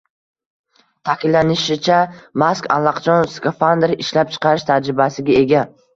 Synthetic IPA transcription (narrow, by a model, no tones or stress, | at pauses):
t̪ʰakʲʰɪlːanɪʃɪt͡ʃʰamaska̰lːˠɑqt͡ʃʰɒnskofand̪ɾɪʃlap̚t͡ʃʰɨ̥qʰɑɾɪʃt̪ʰad͡ʒɾɪbasɪɡʲae̞ɡʲa